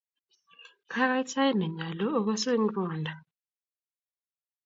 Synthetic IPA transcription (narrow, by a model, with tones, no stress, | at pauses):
kʰa˦k̬a˦i˦tʰa˦ji˦nɛ˨ɲa˨lɔː˦k̬wɛ˦se˦m̩˦kʼɔː˦ndʱa˨